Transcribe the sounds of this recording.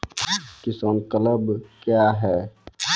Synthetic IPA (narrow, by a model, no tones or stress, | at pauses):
kɪsənkələbkjaɦɛ